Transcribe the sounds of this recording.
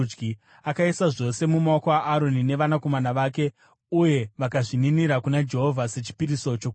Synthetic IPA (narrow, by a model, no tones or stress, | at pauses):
ɡi | akaisaʐo̞se̞mumaokoaʔːɾo̞nine̞ʋanako̞manaʋaːk̬e̞ | uje̞ʋakaʐininiɾakunad͡ʒe̞ɦo̞vʱase̞t͡ʃi̥piɾiso̞t͡ʃok